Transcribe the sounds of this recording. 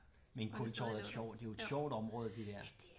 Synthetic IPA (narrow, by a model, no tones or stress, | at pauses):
menkʰɔlt͡sʰɒð̩ˠæ̥ɕɒʊ̰̥d̥e̝oed̥ɕɒʊ̰d̥ɒ̽mʁɔːðˠd̥e̝d̥æɐ̰